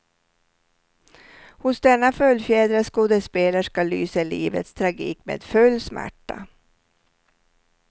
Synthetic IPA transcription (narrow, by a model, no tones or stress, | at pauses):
hʊsd̪ɛnːafœljfjeːd̪ɾaskuːd̪əspeːlaʂkalyːsəliːvə̰t̪st̪ʰɾaɡiːkmḛːd̪̥fɵlːsmæ̰ʈːa̰